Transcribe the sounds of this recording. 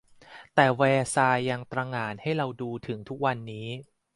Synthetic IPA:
t̪ɛː˨˩wɛː˧saː˧jːa˧ŋt̪ɾaː˧ŋaː˧˩nha˥˩jɾa˧wduː˧t̪ʰɯ˩˦ŋt̪ʰu˦˥k̚wa˧nːiː˦˥

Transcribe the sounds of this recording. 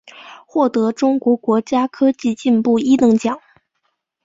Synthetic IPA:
xwɔ˥˩t̪ɤ˧˥ʈ͡ʂʊ˥ŋkwɔ˧˥kwɔ˧˥t͡ɕja˥kʰɤ˥t͡ɕi˥˧t͡ɕi˥˧npu˥˩i˥t̪ɤ˧˥ŋt͡ɕjɑ˨˩˦ŋ

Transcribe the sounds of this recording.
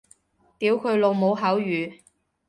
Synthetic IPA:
t̪iː˨˥wkʰɵ˨˧ɥlo˨˧wmo˨˧wɦɐ˨˥wjyː˨˧

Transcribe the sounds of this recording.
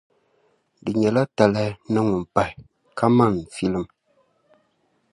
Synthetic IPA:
dɨ˨ɲɛ˨la˦ta˨la˦nɨ˦ŋu˨mpa˨hi˨ | kʰa˦ma˦˨ŋ˨fi˦lɨ˦m

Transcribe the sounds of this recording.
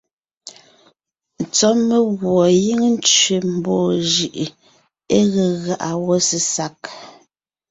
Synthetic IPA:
n̩˨t͡sɔ˦me˦ɣwɔ˨ji˦ŋn˦t͡ʃɥe˨m̩˨bɔː˦˨ʒi˨ʔ | e˦ɣe˨ɣa˨ʔa˨wɔ˦si˨sa˨˦k̚

